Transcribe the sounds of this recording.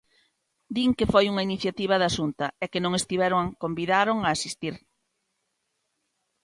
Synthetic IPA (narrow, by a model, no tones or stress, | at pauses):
d̪iŋkefojuŋɐiniθjat̪iβ̞ɐðaʃunt̪ɐɛkɪnõŋest̪iβ̞ɛɾoŋkombiðaɾoŋaːsist̪iɾ